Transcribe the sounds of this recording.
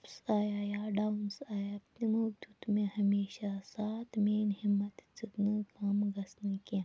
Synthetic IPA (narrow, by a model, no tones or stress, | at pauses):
psaːjajaːɖawnsaːjapnimoːɡd̪ut̪mẽhɐmeːɕasaːt̪ʰmeːnɦimːɐt̪t͡sɨknɨkaːmɡɐsnɨkẽ